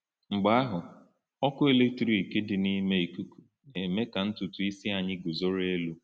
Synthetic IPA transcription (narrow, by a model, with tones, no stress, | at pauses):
ŋ͡m̩˨ɡ͡ba˦a˦ɦʊ˨ | ɔ˦kʊ˦e˨le˦k̚tɾi˨i˨ke˦dɪ˨ni˦me˦i˨ku˦ku̥˦ | ne˨me˦ka˨n̩˦tʊ˨tʊ˨i˦si˦a˨ɲɪ˦ɡu˨zo˦ɾe˦lu˦